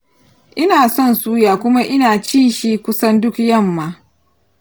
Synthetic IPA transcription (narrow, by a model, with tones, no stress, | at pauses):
ʔɪ˦naː˨sɔ˦˨nsuː˦jaː˨kʷʊ˦ma˦ʔɪ˦naː˨t͡ʃɪ˦nʃi˦kʷʊ˦sɐ˦ndʊ˦kjɐ˦˨mːaː˦